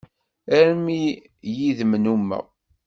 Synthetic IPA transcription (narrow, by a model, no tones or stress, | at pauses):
æɾmi | jiðmnumːæ̰